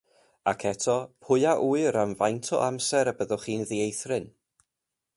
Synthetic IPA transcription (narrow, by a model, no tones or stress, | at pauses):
akʰɛtʰɔpʰʊɨaʔuːɨɾamvajntʰɔ̰ʔamsɛɾəbəðɔχiːnðiejθrɪn